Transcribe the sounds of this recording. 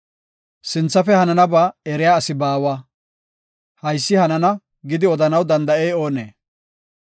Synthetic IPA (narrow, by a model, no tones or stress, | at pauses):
sɪnt͡sːɐfɛhɐnɐnɐbɐɛɾɪjaːsɪbaːwɐ | hɐjsːɪhɐnɐnɐ | ɡɪd̪ɪɔd̪ɐnɐwd̪ɐnd̪ɐɛjo̞ːnḛː